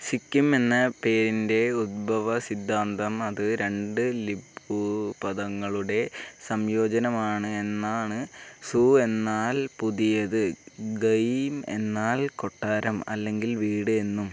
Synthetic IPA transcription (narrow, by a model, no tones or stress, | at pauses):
sikʲːume̞nːɐpe̞ːɾinde̞ud̪̚bʱɐʋɐsid̪ʱːaːnd̪ɐmɐðɨɾe̞ɳɖɨlibupɐðɐŋːɐɭuɽe̞sɐmjo̞ːd͡ʑɐnɐmaːɳɨe̞nːaːɳɨsuːe̞nːaːlpuðijɐðɨɡɐjme̞̰nːaːlko̞ʈːaːɾɐmɐ̰lːe̞ŋɡilʋiːɽɨe̞nːum